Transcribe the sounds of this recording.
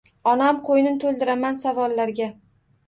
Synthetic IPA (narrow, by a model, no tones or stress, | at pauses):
ɒnamqʰojnɪt̪ʰolˠd̪ɪɾamansavɒlːaɾɡʲa